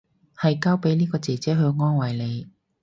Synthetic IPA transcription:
hɐ˨jkaː˥wpe˨˥jniː˥kɔː˧t͡sɛː˨˩t͡sɛː˨˥ɦɵ˨˧ɥŋɔː˥nwɐ˨˩jle˨˧j

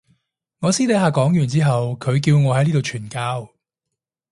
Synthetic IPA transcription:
ŋɔː˨˧siː˥le˨˧˥ɦaː˨kɔː˨˥ŋjyː˨˩nt͡siː˥ɦɐ˨wkʰɵ˨˧ɥk̬iː˧wŋɔː˨˧ɦɐ˨˥jliː˥t̪o˨wt͡ʃʰyː˨˩nkaː˥w

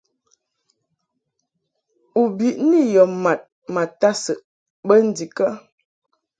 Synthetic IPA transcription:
u˨bi˨ʔni˦jɔ˨ma˨t̚ | ma˨ta˦sə˨ʔ | bə˦n̩˦di˨kə˦

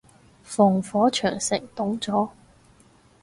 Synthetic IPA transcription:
fɔː˨˩ŋfɔː˨˥t͡ʃʰœː˨˩ŋsɪ̰˨˩ŋt̪ʊ˨˥ŋt͡sɔː˨˥

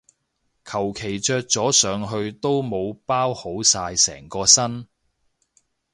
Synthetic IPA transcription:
kʰɐ˨˩wkʰe˨˩jt͡ʃœː˧k̚t͡sɔː˨˥sœː˨˧ŋɦɵ˧ɥt̪o˥wmo˨˧wpaː˥who˨˥wsaː˧jsɛ̰ː˨˩ŋkɔː˧sɐ˥n

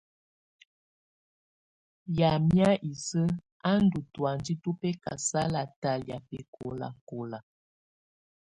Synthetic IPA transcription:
ja˨mja˦ʔi˨sə˦ | a˦n̩˦du˨twa˨ndi˦tu˦pɛ˦ka̰˨sa˦la˨ta˨lja˨pɛ˨kʰo̰˨la̰˨ko˨la˨

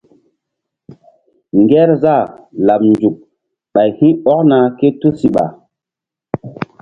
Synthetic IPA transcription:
ŋɡɛ˦ɾza˦˨la˨p̚nd͡ʒu˨k̚ | ɓa˨jhĩ˦ɔ˦k̚na˨ke˦tu˦si˨ɓa̰˨

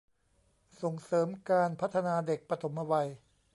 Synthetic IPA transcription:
so˨˩ŋsɤː˩˦mkaː˧npʰa˦˥t̪ʰːa˧naː˧de˨˩k̚pɾa˧t̪ʰo˩˦mʔa˧wa˧j

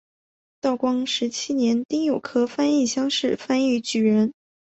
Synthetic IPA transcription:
t̪ɑ˥˩ʊkwɑ˥ŋʂɻ̩˧˥t͡ɕʰi˥njɛ˧˥nt̪i˥ŋjo˨˩ʊkʰɤ˥fa˥ni˥˩ɕjɑ˥ŋʂɻ̩˥˩fa˥ny˧˥t͡ɕy˨˩ɻə˧˥n

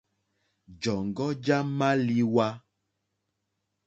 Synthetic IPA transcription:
d͡ʒɔ˨ŋ˨ɡɔ˦d͡ʒa˦ma˦li˦wa˦

